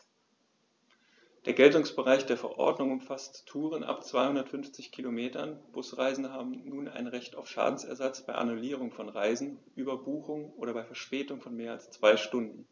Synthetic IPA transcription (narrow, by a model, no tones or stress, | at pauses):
d̥eːɐɡɛltʊŋsb̥əʁaɪçd̥eːɐfɛɐʔɔ̰ɐdnʊŋʊmfasttʰːuːʁənʔa̰pt͡sv̥aɪhʊndɐtfʏnft͡sɪçkʰilomeːtɐnb̥ʊsʁaɪzn̩əɦaːbm̩nuːna̰ɪnʁɛçtaʊfʃa̰ːdn̩sɛ̰ɐzat͡sb̥aɪʔa̰nuliːʁ̞ʊŋfɔnʁaɪzn̩ʔyːbɐbuːxʊŋʔoːɾɐbaɪfɛɐʃpɛːtʊŋfɔnmeːɐalst͡sv̥aɪʃtʊndn̩